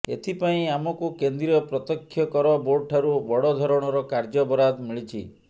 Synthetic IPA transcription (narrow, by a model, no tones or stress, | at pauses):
ḛt̪ʰipaĩamɔkukend̪ɾiɔpɾɔt̪ɔkʰːjɔkɔɾɔboɾʈʰaɾubɔɽɔd̪ʱɔɾɔɽ̃ɔɾɔkaɾd͡ʒɔbɔɾad̪miɭit͡ʃʰi